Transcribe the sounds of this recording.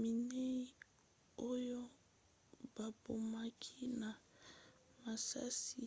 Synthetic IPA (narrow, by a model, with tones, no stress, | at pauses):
mi˨ne˦i˦ | o˦jo˦ | b̥a˨bo˨ma˦kʰi˦na˨ | ma˨sa̰˦si˦